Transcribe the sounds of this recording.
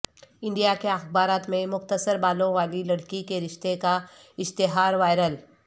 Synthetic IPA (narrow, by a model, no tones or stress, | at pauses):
ɪ̃ɳɖijakeɐxbaːɾaːt̪mẽmʊxt̪əsəɾbaːlõʋaːlilɐɽkikeɾɪʃt̪eka | ɪʃt̪ɪɦaːɾʋaːɪɾəl